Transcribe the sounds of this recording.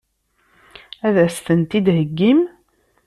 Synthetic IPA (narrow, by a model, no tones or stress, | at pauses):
æðæst̪ənt̪id̪həɡːim